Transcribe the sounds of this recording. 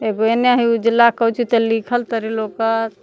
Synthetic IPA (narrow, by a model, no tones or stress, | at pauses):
eɡoeneaɦiud͡ʒilːakəut͡ʃʰit̪əlikʰəlt̪əɾilokət̪